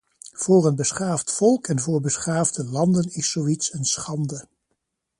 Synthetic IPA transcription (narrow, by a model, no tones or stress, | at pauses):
v̥ʊːrənbəsχaːftfɔlˠkɛnvʊːɹbəsχaːvdəlɑndənɪsːoitsənsχɑndə